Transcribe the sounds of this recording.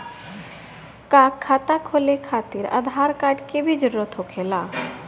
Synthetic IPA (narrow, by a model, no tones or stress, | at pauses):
kaːkʰːaːt̪akʰoːlekʰaːt̪ɪɾə̰d̪ʱaːɾkaːʈkebʱid͡ʒʊɾuɾət̪ʰɦokʰeːlaː